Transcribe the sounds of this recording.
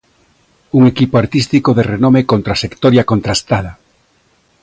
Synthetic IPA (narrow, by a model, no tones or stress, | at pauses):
uŋekipoaɾt̪ist̪ikoðerenomekont̪ɾasekt̪oɾjakont̪ɾast̪aða